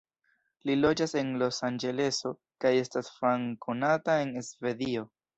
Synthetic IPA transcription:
lilo̞d͡ʒase̞nlo̞sand͡ʒe̞le̞so̞ | kaje̞stasfaŋkonatae̞nesve̞dio̞

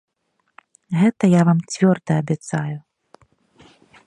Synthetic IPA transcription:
ɣɛt̪ɐjavamt͡sʲvʲɔrd̪ɐːbʲɛt̪saju

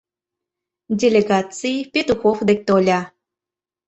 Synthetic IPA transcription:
dʲelʲeɣɑt͡sɨjpʲet̪uxofd̪ek̚ʲt̪olʲɑ

